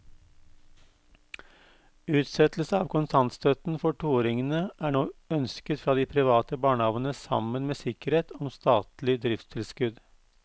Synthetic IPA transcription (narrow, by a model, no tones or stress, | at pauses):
ʉːt̪sɛt̪lsəɑːʋkʊnsʰɑnt̪st̪œt̪n̩fɔʈuːoːɾɪŋənəʔæːɳoːœnskət̪fɾɑːd̪iːpʰɾɪʋɑːt̪əbɑːɳəhɑʋən̩əsɑ̰mənmeːsɪkəɾheːt̪ʰɔmst̪ɑːt̪lɪd̪ɾɪft̪st̪ʰɪlskʉd̪